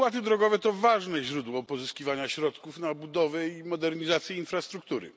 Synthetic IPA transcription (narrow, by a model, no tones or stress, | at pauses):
pwat̪̬ɘd̪ɾɔɡɔvɛt̪ɔvaʐnɛʑɾud̪wɔpɔzɨskʲivaɲaɕɾɔt̪kufnabud̪ɔvɛimɔd̪ɛɾɲizat̪sʲjɛinfɾast̪ɾuk̚t̪uɾɘ̰